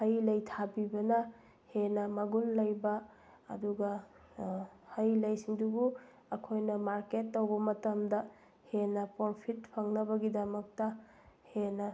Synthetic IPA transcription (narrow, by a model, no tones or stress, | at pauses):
hɐjlɐjtʰabibɐnɐ | henɐmɐɡunlɐjbɐ̰ː | duɡɐ | hɐjlɐjsiŋdubu | ɐkʰojnɐmaɾketːowbɐmɐtɐmdɐ | henɐpoɾpʰitpʰɐŋnɐbɐɡidɐmɐk̚tɐ | henɐ